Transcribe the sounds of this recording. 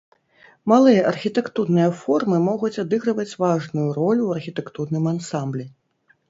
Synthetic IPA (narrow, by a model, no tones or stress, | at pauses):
malˠɨjɐʔɐrxʲit̪ɛkt̪urnɨjɐfɔrmɨmɔɣut͡sʲad̪ɨɣɾɨvɐt͡sʲvaʐnujurɔlʲuwɐrxʲit̪ɛkt̪urnɨmansamblʲi